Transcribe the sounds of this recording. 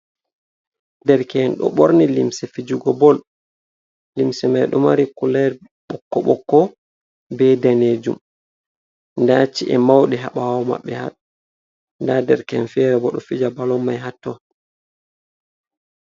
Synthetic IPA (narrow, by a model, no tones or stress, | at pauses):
dɛɾkɛnɗɔ̰ɓoɾnilimsɛfid͡ʒuɡɔbɔl | limsɛmajɗɔmaɾikulɛɾ | ɓɔkːɔɓɔkːɔ | bɛdaneːd͡ʒṵm | ndat͡ʃiʔɛmawɗɛɦaɓawɔma̰ɓːɛha̰ɗ | ndadɛɾkɛnfɛɾɛbɔɗɔfid͡ʒabalɔmːajɦatːɔ